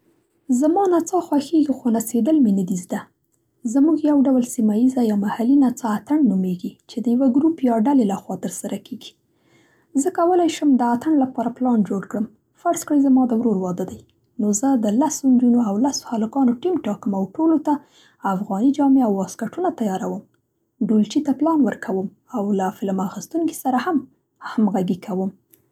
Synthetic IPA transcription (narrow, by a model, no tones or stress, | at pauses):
zamɑnat͡sɑxwaxeɡixonased̪əlmenad̪izd̪a | zamuɡjawɖawlsimajizajɑmahalinat͡saːt̪aɳnumeɡit͡ʃed̪əjawaɡɾupjɑɖalelaxwɑt̪əɾsaɾʔakeɡi̥ | zəkawəlajʃəmd̪əat̪aɳlapɑɾaplɑnd͡ʒoɽkɽəm | faɾskɽəjzamɑd̪əwɾoɾwɑd̪əd̪aj | nozəd̪əlasond͡ʒunoawlaso̥halakɑnoʈimʈɑkəmawʈolot̪aː | fɣɑnid͡ʒɑmeawːɑskaʈunat̪ajɑɾawəm | ɖult͡ʃit̪aplɑnwəɾkʰawəm | awlafɪlmaxist̪uŋki̥saɾaham | hamɣaɡikʰawəm